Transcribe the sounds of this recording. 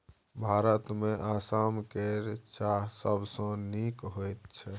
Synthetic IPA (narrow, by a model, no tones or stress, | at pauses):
bʱaɾət̪meʔasamkeɾt͡ʃaɦsəbsə̃nikɦojt̪̚t͡ʃʰɛ